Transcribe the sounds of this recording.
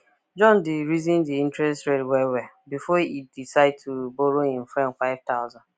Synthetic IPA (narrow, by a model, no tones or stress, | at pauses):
d͡ʒɔ̃ndɪɾizĩndiĩntɾɛstɾedwɛwɛ | bifɔidisaɪd̚tʰuboɾoɦɪ̃m̩fɾɛ̃nkaɪvtaʊzãn